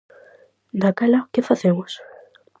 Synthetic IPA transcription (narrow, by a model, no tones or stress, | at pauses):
d̪akɛlakɪfaθemos